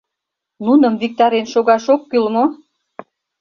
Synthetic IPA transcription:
nunə̆mvik̚t̪ɑɾenʃoɣɑʃokːylmo

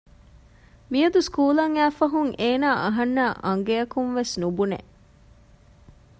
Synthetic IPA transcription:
mijɐd̪uskuːlɐŋæːfɐɦuŋʔeːnaːʔɐɦɐnːaːʔɐŋɡejɐkumʋesnubunḛ

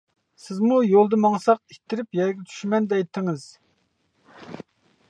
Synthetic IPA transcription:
sɪzmujolˠd̪ɨmɑŋsɑq̚it̪ʰːɪɾɪpjɛɾɡʲɛt͡ʃ̪ʰy̥ʃmɛnd̪ɛjt̪ʰːɪŋɨz̥

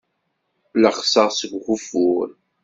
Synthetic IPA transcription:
ləχsəʁsəɡʷχufuɾ

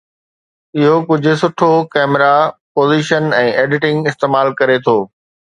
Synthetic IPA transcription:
ɪɦokʊd͡ʑʱʊ̆sʊʈʰokɛːmɪɾapoːziːʃənɛ̃ːʔeːɖɪʈɪ̃ŋɡɪst̪eːmaːlkɐɾet̪ʰoː

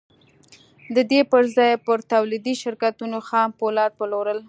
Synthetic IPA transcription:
d̪əd̪epəɾzɑjpəɾt̪awlid̪iʃɪɾkat̪unoxɑmpolɑɾpəloɾəl

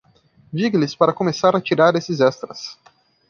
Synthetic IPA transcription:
d͡ʒiɡɪlɪspaɾɐkomesaɾɐt͡ʃiɾaɾesɪzɛst̪ɾɐs

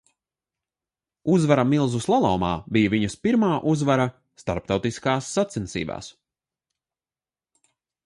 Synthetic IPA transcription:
uzvaɾamilˠzuslˠalˠɔːmaːbijɐviɲɐspiɾmaːʔuzvaɾa | st̪aɾp̚t̪awt̪iskaːsːat̪sinsḭːba̰ːs

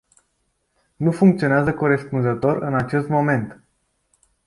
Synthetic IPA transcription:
nufuŋkt̪sio̞neazəko̞ɾe̞spunzət̪o̞ɾɨnat͡ʃe̞st̪mo̞me̞nt̪

